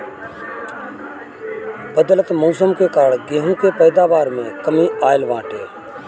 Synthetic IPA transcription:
bəd̪ələt̪muːs̬əmkeːkaːɽɡeːɦũːkeːpəɪd̪aːʋaːɾmẽːkəmĩːʔaːjɪlʋãːʈeː

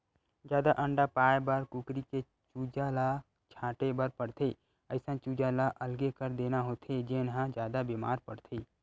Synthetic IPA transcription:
d͡ʒjaːd̪aʔə̃ɳɖapaːjbaɾkukɾike | t͡ʃuːd͡ʒala | t͡ʃʰãːʈebəɾpəɽt̪ʰeː | əɪsãt͡ʃuːd͡ʒalaʔəlɡekəɾd̪eːnaɦoːt̪ʰed͡ʒenɦãd͡ʒjaːd̪abema̰ːɾpəɽt̪ʰeː

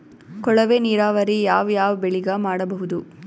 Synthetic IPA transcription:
kɔɭɐʋeːniːɾaːʋɐɾijaːʋjaːʋɐbeɭiɡamaːɽɐbɐɦud̪u

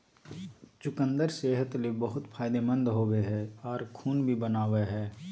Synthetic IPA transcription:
t͡ʃʊkə̃nd̪əɾseːɦət̪lebəɦʊt̪pʰaːjd̪emə̃nd̪ɦoːweɦɛːɔːɾkʰuːnbʱibənaːʋeɦɛː

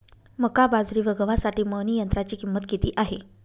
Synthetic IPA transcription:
məkabad͡zɾiːʋəɡəʋasaʈiːməniːjənt̪ɾat͡ɕiːkimːət̪kit̪iːʔaɦe

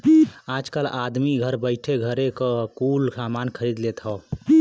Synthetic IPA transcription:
ad͡ʒkəlad̪miɡʱəɾbəɪʈʰeɡʱəɾekəkulsamankʰəɾid̪let̪ɦɔ

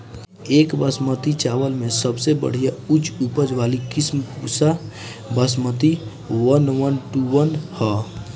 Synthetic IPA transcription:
ekbəsmət̪it͡ʃabəlmesəbsebə̰ɽ̤ijaut͡ʃupəd͡ʒʋalikismkusa | bəs̬mət̪i | wənwənʈuwənhɔ

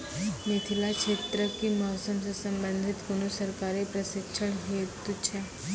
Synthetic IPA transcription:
met̪ʰilakʃʰeːt̪ɾəkimɔːsəmsesɐ̃mbənd̪ʱɪt̪kʊnusəɾkaːɾipɾɐsɪkʃəɽ̃ɦet̪ut͡ʃʰe

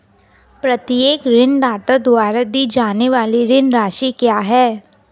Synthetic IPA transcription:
pɾɐt̪ijeːkɾɪnɖaːt̪ad̪waːɾad̪id͡ʒaːneʋaːliɾɪnɾaːʃikjaːɦɛː

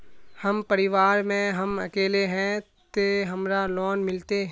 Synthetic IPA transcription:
hɐmpɐɾɪʋaːɾmẽɦɐmɐ̰keːleɦɛ̃ | t̪eɦɐmɾalɔːnmɪlt̪eɦ

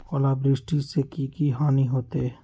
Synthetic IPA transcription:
ɔːlaːbɾɪsʈisekikiɦaːniɦoːt̪e

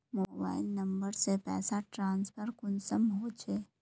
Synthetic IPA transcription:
moːba̰ːɪlnɐ̃mbəɾsepɛ̰ːsaʈɾãːnspʰəɾkʊnsəmɦoːt͡ʃʰeː

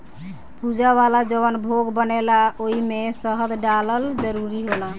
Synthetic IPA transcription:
pud͡ʒaβalad͡ʒəβənbʱoɡbənelaoimesəɦəd̪ɖaləld͡ʒəɾuɾiɦola

